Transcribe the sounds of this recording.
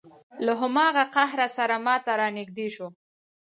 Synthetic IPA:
laɦʊmɑɣaqaɦɾasaɾamɑt̪aɾɑnɪɡd̪eʃo

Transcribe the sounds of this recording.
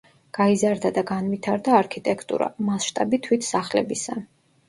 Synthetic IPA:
ɡ̥aizaɾd̪ad̪aɡanvit̪ʰaɾd̪aːɾkʰit̪ʼɛkʰt̪ʼṵɾa̰masʃt̪ʼabit̪ʰwit̪ʰsaχlɛ̰bisa̰

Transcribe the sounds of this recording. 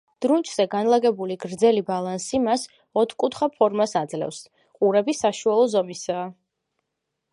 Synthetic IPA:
d̪̥ɾunt͡ʃʰʼz̥ɛɡanlˠaɡɛbuliɡɾd̪zɛlibalˠansimas | ɔt̪ʰkʼut̪ʰχapʰɔɾmasad̪zlɛ̰fs | qʼuɾɛbisaʃualˠɔzɔmisaː

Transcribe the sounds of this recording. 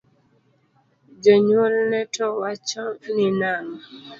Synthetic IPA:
d͡ʒɔɲwolnɛtʰɔwat͡ʃɔninaŋɔ

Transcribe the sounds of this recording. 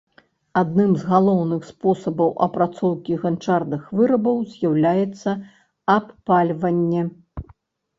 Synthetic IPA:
ad̪̚nɨmzɣalˠɔwnɨxspɔsɐbɐwʔɐ̰pɾat̪sɔwkʲiɣant͡ʂarnɨxvɨɾɐbɐwzʲjawlʲajɛt̪sːɐ | ɐpːalʲvɐnʲːɛ

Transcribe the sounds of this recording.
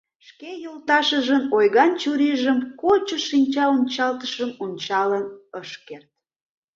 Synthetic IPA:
ʃkejolt̪ɑʃəʒənojɣɑnt͡ɕuɾiʒəmkot͡ɕoʃinʲt͡ɕɑunʲt͡ɕɑlt̪əʃəmunʲt͡ɕɑlənəʃkert̪̚

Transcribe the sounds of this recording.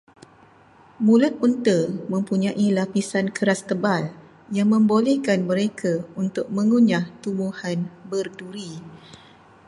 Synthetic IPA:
mũlʊt̪̚unt̪əmə̃mpuɲãʔilapisankəɾast̪əbal | jaŋmə̃mbolɛhkanməɾekʰaunt̪ʊk̚mə̃ŋuɲaht̪umuhanbərduɾi

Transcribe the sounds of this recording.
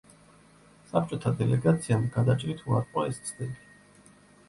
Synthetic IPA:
sap̚ʰt͡ʃʼɔt̪ʰad̪ɛlɛɡat̪sʰiamɡad̪at͡ʃʼɾit̪ʰuaɾqʼɔɛst̪sʰʼd̪ɛbi

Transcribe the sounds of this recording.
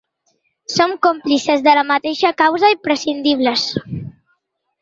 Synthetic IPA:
somkomplisezðələmət̪eʃəkawzəimpɾəsind̪iβ̞ləs

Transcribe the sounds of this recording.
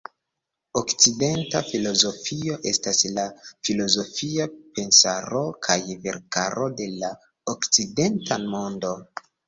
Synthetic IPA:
okt͡side̞ntafilo̞zo̞fio̞ʔe̞staslafilo̞zo̞fiape̞nsaɾo̞kʰajve̞̰ɾkaɾo̞de̞la | okt͡side̞ntamondo̞

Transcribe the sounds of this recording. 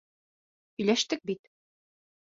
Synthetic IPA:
ɵ̆jlæʃt̪ɘk̚bit̪

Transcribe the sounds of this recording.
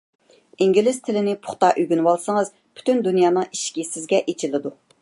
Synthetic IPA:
iŋɡʲilɪz̥t̪ʰɪlɪnɪpʰʊ̥χt̪ɑʔyɡʲynwɑlˠsɨŋɨz | pʰy̥t̪ynd̪unjɑːnɨŋiʃkʲisɪzɡʲɛʔet͡ʃʰilɪd̪u

